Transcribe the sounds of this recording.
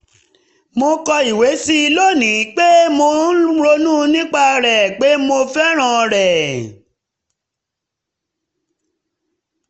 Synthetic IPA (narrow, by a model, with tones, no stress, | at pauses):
mo˧kɔ˧i˨we˨˦si˦i˧lo˦˨nĩ˨˦k͡pe˦mo˧n˦ɾo˧nũ˦˧nĩ˦k͡pa˧ɾɛ˨k͡pe˨˦mo˧fɛ˦ɾ̃ã˧˨ɾɛ˨